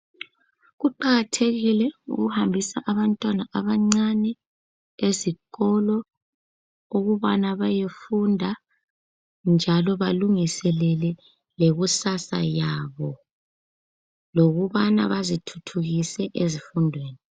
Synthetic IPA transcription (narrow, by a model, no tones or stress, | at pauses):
ɣuǃaɣatʰeɣilɛṵɣuhambʱisaʔaβantʼwanaʔaβaŋ͡ǀanɛ | eziɣɔlɔ | uɣuβanaβajefundʱa | nd͡ʒʱalɔβaluŋisɛlɛlɛ | leɣusasa̰jaβɔ | loɣuβana̰βazitʰu̥tʰuɣisɛʔezifundʱweːni